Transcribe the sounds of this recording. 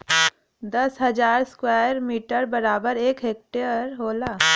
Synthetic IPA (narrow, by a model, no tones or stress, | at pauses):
d̪əsɦəd͡ʒaːɾskwaːjəɾmiːʈəɾbəɾaːbəɾeːkɦeːk̚ʈeəɾɦoːlaː